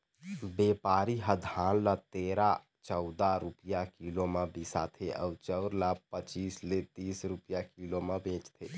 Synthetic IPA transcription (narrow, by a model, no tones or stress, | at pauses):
beːpaːɾiɦəd̪ʱaːnlat̪eːɾa | t͡ʃəʊd̪aɾupijakilomebisa̰t̪ʰeʔɔ̰t͡ʃəʊɾlapət͡ʃiːslet̪iːsɾupijakilomebʱẽːt͡ʃt̪ʰeː